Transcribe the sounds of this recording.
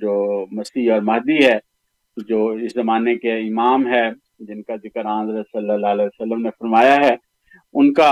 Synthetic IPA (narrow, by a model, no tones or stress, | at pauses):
d͡ʒoːmɐsiɔːɾmɐɦd̪iɦɛ | d͡ʒoːɪszɐmaːnekeɪmaːmɦɛ | d͡ʒɪnkad̪ɪkəɾãːzɾəsɐlːəlːaːlɛːsəlːəmnefɐɾmaːjaɦɛ | ʊnka